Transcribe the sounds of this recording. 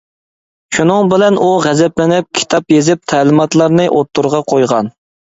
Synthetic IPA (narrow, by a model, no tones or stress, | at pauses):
ʃunɨŋbɪlɛnuʁɛzɛplɪnɪp̚kʲʰi̥t̪ʰɑpjezɪp̚t̪ʰɛːlɪmɑt̪lˠɑɾnɨʔot̪ːuɾʁɑqʰojʁɑn